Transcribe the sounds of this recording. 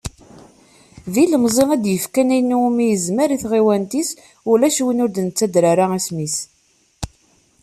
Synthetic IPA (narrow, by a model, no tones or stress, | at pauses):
viləmzˤeŋæd̪jəfkænæjnuumijəzməɾiθʁiwænt̪is | ulæʃwinʊɾd̪nət͡sːæd̪ɾaɾaismis